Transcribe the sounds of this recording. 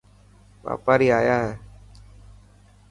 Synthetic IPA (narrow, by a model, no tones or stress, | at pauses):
ʋa̰ːpaːɾiːaːjaːɦɛː